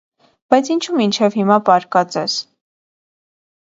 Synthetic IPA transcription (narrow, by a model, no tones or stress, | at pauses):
b̥ɑjt͡sʰint͡ʃʰumint͡ʃʰɛvhimɑpɑɾkɑt͡sɛs